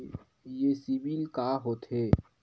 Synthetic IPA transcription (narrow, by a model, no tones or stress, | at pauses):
jesiʋiːlkaːɦoːt̪ʰɦeː